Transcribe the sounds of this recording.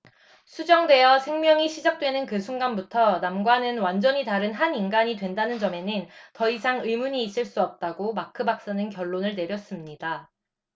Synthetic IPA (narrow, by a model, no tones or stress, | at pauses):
sʰud͡ʑʌŋdwe̞jʌsʰe̞ŋmjʌŋiɕʰid͡ʑak̚t͈we̞nɯnkɯsʰuŋɡanbutʰʌnamɡwanɯnwand͡ʑʌɲitaɾɯnɦaninɡaɲidwe̞ndanɯnd͡ʑʌme̞nɯntʌisʰaŋɯmuɲiːs͈ɯɭs͈uʌp̚t͈aɡomakʰɯbak̚s͈anɯnkjʌɭːonɯɭne̞ɾjʌs͈ɯmɲida